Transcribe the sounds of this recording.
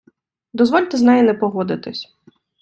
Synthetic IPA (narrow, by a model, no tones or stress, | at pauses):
d̪ɔzʋɔlʲt̪ɛznɛjinɛpɔɦɔd̪ɪt̪ɪsʲ